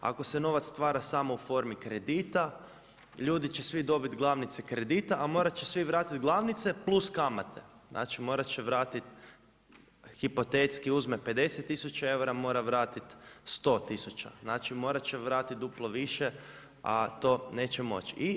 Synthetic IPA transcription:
a̰ko̞seno̞ʋat̪st̪ʋaːɾasamoufo̞ɾmikɾed̪iːt̪a | ʎuːd̪it͡ʃesʋid̪o̞bit̪ɡlˠaʋnit̪sekɾe̞d̪it̪aʔamo̞ːɾat͡ɕesʋiʋɾaːt̪it̪ɡlˠaʋnit̪se̞plˠuskamat̪ḛznʔa̰ːt͡ʃimo̞ːɾat͡ɕeʋɾaːt̪it̪ | xipot̪et̪skiuzmepe̞d̪e̞set̪ːisut͡ʃae̞uɾamo̞ːɾaʋɾaːt̪it̪st̪o̞ːt̪isut͡ʃa̰znaːt͡ʃimo̞ːɾat͡ɕeʋɾaːt̪it̪̚d̪uplˠoʋiʃe | a̰t̪o̞ːneːt͡ɕemo̞̰t͡ʃi

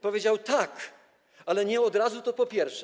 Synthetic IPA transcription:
pɔvʲjed͡ʑawt̪ak | alɛɲɛɔd̪ɾazut̪ɔpɔpʲjɛɾfʂɛ

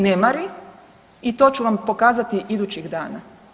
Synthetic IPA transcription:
nemaɾi | it̪o̞ːt͡ɕuʋampo̞kaːzat̪iʔid̪uːt͡ɕiɡd̪aːna

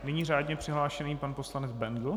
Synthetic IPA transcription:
nɛɲiːraːdɲɛpr̝̥ɪɦlaːʃɛniːpanpo̞slanɛd͡zbɛnd̪l̩

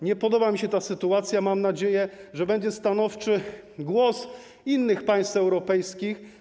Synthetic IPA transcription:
ɲɛpɔd̪ɔbamʲiɕɛt̪asɘt̪uat̪sʲjamamnad͡ʑejɛʐɛbɛɲd͡ʑɛst̪anɔft͡ʂɘ | ɡwɔs | inːɘxpaj̃st̪ɛwɾɔpɛjskʲix

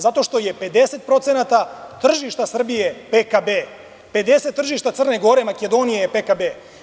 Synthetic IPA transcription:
zat̪o̞ʃt̪ojepe̞d̪eset̪̚pɾo̞t̪senat̪at̪r̩ʒiʃt̪asr̩bijepekabe | pe̞d̪eset̪ːr̩ʒiʃt̪at̪sərneɡoɾe̞maked̪o̞nijepekabe

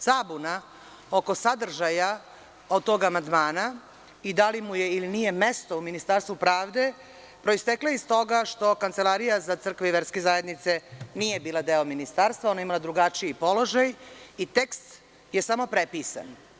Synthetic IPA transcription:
sabuna | oko̞sad̪r̩ʒaja | od̪̚t̪o̞ɡamand̪maːna | id̪alimuje̞ilinije̞me̞st̪o̞uminist̪aːɾst̪ʋupɾaːʋd̪e̞ | pɾo̞ist̪eklajeist̪o̞ɡaʃt̪o̞kant̪se̞lˠaɾijazat̪sr̩kʋeiʋe̞ɾskezaːje̞d̪nit̪se̞nije̞biːlˠad̪e̞ominist̪aːɾst̪vʋao̞naimalad̪ɾuɡat͡ʃiipo̞lo̞ʒajit̪e̞kst̪ | je̞samo̞pɾepiːsa̰n

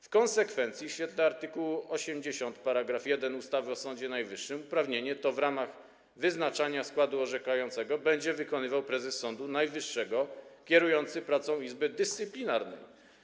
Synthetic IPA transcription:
fkɔnsɛkfɛnt̪sʲjiɕfʲɛt̪lɛaɾt̪ɘkuwɔɕɛmd͡ʑeɕɔnt̪paɾaɡɾafjɛd̪ɛnust̪avɘɔsɔnd͡ʑɛnajvɘʂːɘmupɾavɲeɲɛt̪ɔvɾamax | vɘznat͡ʂaɲaskwad̪uɔʐɛkajɔnt̪sɛɡɔbɛɲd͡ʑɛvɘkɔnɘvawpɾɛzɛsːɔnd̪unajvɘʂːɛɡɔkʲɛɾujɔnt̪sɘpɾat̪sɔ̃w̃izbɘd̪ɘst̪sɘplʲinaɾnɛ̰j

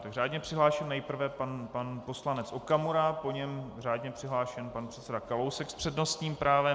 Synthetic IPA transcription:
t̪aɡraːdɲɛpr̝̥ɪɦlaːʃɛmnɛjpr̩vɛpanpanpo̞slanɛt͡sʔokamuɾapo̞ɲɛmraːdɲɛpr̝̥ɪɦlaːʃɛnpanpr̝̥ɛt̪t͡sɛdakalowsɛkspr̥ɛdno̞st̪ɲiːmpɾaːvɛ

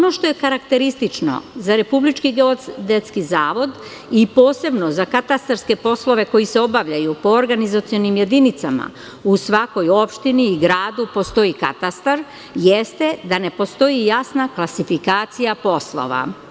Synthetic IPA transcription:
ono̞ʃt̪o̞je̞kaɾakt̪e̞ɾist̪it͡ʃno̞̰zaɾe̞publit͡ʃkiɡeod̪et̪skizaːʋo̞d̪ | ipo̞ːse̞bno̞zakat̪ast̪aɾske̞po̞slˠo̞ʋe̞ko̞jiseo̞baʋʎajupo̞oɾɡanizat̪sijo̞nimje̞d̪init̪sama̰ | usʋako̞jo̞pʃt̪iniːɡɾaːd̪upo̞st̪o̞jika̰t̪ast̪aɾ | jest̪e̞d̪ane̞po̞st̪o̞jijasnaklˠasifikaːt̪sijapo̞slo̞̰ʋa̰

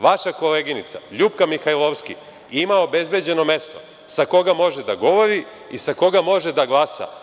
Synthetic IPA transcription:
ʋaʃako̞leːɡinit̪sa̰ʎuːpkamixajlˠoʋskḭ | imao̞be̞zbe̞d͡ʑe̞no̞me̞st̪o̞ | sako̞ɡamo̞ʒed̪aɡo̞ʋo̞ɾi | isako̞ɡamo̞ʒed̪aɡlˠaːsa̰

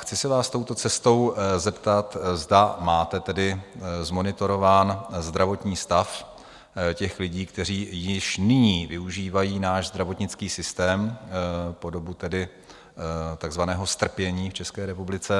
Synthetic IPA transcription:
xt͡sɪsɪvaːst̪o̞wt̪o̞t͡sɛst̪o̞wzɛpt̪at̪zdamaːt̪ɛt̪ɛdɪzmo̞nɪt̪o̞ɾo̞vaːnzd̪ɾavo̞t̪ɲiːst̪af | cɛxlɪɟiːkt̪ɛr̝iːjɪʃnɪɲiːvɪuʒiːvajiːnaːʒzd̪ɾavo̞t̪ɲɪt͡skiːsɪst̪ɛːm | po̞do̞but̪ɛdɪ | t̪aɡzvanɛːɦo̞st̪r̩pjɛɲiːft͡ʃɛskɛːɾɛpublɪt͡sɛ

